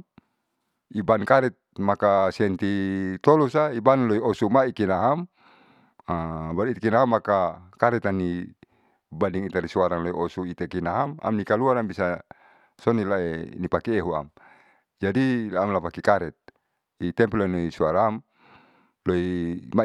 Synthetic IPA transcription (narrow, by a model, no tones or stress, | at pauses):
ibankaɾɛt̪̚makasɛnt̪it̪ɔlusaibanloiɔsumaikinaɦam | abait̪ekinaɦamːakakaɾɛt̪ani | baniŋit̪aɾisuaɾaŋloiʔɔsuit̪ekinaɦama̰mnikaluanambisa | sɔnilaḛnipakɛːɦua̰m | d͡ʒadiamlapakikaɾɛt̪̚ | it̪ɛmpɛlanoisuaɾam | loima